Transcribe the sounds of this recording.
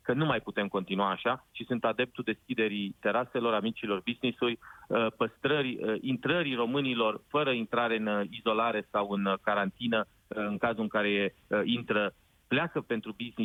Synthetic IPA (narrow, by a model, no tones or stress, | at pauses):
kənumajput̪e̞mko̞nt̪inuaːʃat͡ʃisunt̪ad̪e̞p̚t̪ud̪e̞skʲid̪e̞ɾit̪e̞ɾase̞lo̞ɾamit͡ʃilo̞rbiznisujpəst̪ɾəɾʲint̪ɾəɾiro̞mɨnilo̞rfəɾəint̪ɾaɾe̞ɨnizo̞laɾe̞sawɨnkaɾant̪inə | ɨŋkazuɨŋkaɾe̞e | int̪ɾə | pleakəpe̞nt̪ɾubizni